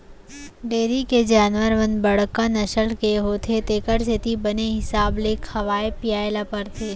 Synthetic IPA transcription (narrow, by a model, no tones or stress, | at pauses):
ɖeːɾiked͡ʒaːnʋəɾʋənbɐɽ̤kanɐʃəlkeɦoːt̪ʰet̪eːkəɾs̬et̪ibɐneɦɪsaːbleːkhɐʋaːepijaːelapəɾt̪ʰeː